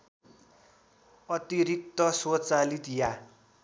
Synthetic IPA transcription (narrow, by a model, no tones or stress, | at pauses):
ʌt̪iɾik̚t̪ːʌswot͡salit̪ja